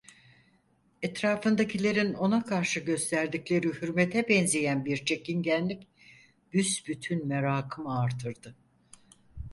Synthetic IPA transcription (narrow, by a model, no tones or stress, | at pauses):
ɛt̪ɾaːfɯnd̪acilʲe̞ɾino̞nakʰaɾʃɯɟø̞st̪ʰæɾd̪iclʲe̞ɾihyɾmet̪ʰɛbɛnzejænbiɾt͡ʃʰe̞cinɟænːʲic | b̥ysbyt̪ʰynmeɾaːkʰɯmaɾt̪ʰɯɾd̪ɯ